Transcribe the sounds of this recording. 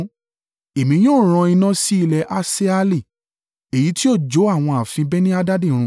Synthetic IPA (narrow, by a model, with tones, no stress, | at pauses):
e˨mĩ˧˦j̃õː˦˨ɾ̃ã˧i˧nã˦si˦i˧lɛ˧ʔa˧se˦a˧li˦˨ | e˨ji˨˦ti˦o˦˨d͡ʒo˨˦a˦˨w̃ɔ̃˧a˨fĩ˧bɛ˦nĩ˦a˧da˦dẽ˦˨˧ɾ̃ũ˧˦